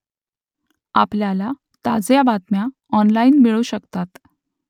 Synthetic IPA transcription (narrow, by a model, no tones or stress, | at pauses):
apljala | t̪ad͡zjabat̪mja | ɔnlainmiɭuːɕəkt̪at̪